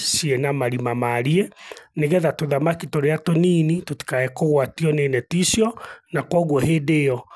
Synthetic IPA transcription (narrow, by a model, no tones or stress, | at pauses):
sienamaɾimamaɾieneɣɛðatoðamakitoɾeatoniːnitoti̥kaɛkoɣwatiɔneːnɛtisjɔnakwɔɣwɔheːdeɔ